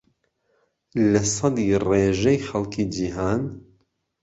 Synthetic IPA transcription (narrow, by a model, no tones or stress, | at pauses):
lɐsɑd̪iːreːʒɛjxɐlˠkʰiːd͡ʒiːɦaːn